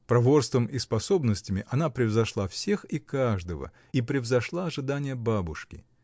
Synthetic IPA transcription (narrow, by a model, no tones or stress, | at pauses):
pɾɐvo̞rst̪vəmʔispɐso̞bnəsʲtʲɪmʲɪʔɐnapɾʲɪvzɐʂlˠafsʲe̞xikaʐd̪əvə̰ | ipɾʲɪvzɐʂlˠaɐʐɨd̪anʲɪjəbabʊʂkʲɪ̰